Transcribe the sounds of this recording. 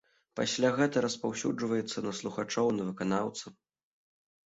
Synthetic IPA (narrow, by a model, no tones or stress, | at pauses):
pa̰sʲlʲaɣɛt̪ɐɾɐspawsʲud͡ʐvɐjɛt̪sːɐnɐslˠuxat͡ʂɔwnɐvɨkanawt̪sɐ